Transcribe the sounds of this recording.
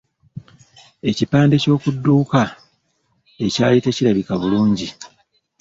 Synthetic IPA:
e̞cipaːnde̞co̞ːkudːuːka | e̞caːjiteciɾaβikaβuluːɲɟi

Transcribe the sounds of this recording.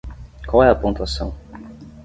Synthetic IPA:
kwawɛɐpõnt̪uasɐ̃w̃

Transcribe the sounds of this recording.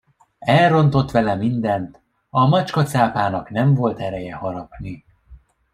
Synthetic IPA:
ɛlro̞nt̪o̞t̪ʋɛlɛmind̪ɛnt̪ | ɒmɒt͡ʃkɒt̪saːpaːnɒknɛɱvo̞lt̪ɛɾɛjɛhɒɾɒpni

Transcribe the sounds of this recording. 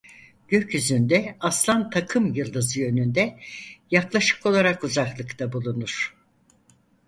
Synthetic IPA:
ɟ̥ø̞cjyzynd̪ɛaslˠant̪ʰakʰɯmjɯlˠd̪ɯzɯjø̞nynd̪ɛjaklˠaʃɯ̥kʰo̞lˠaɾakuzaklˠɯkt̪ʰabulˠunuɾ̝̥

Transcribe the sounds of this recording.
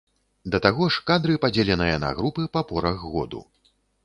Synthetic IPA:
d̪ɐt̪aɣɔʂkad̪ɾɨpad͡zʲelʲɛnɨjɐnɐ̰ɣɾupɨpɐpɔɾɐɣːɔ̰d̪ṵ

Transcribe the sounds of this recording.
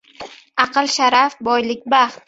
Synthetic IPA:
ɑqɨlˠʃaɾafbɒjlɪk̚ʲbaχt̪̚

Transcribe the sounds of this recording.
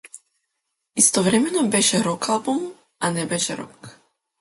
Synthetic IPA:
ist̪ɔʋɾɛmɛnɔbɛʒɛɾɔkalbum | ʔanɛbɛʒɛɾɔ̰k

